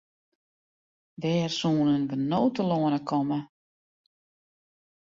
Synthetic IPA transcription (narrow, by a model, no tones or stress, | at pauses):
ʋɛːrsuːnənʋənoːtəloənəkʰɔmə